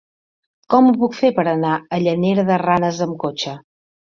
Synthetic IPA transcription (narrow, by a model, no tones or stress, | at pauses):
kɔmupukfepəɾənaəʎəneɾðəranəzəmkot͡ʃə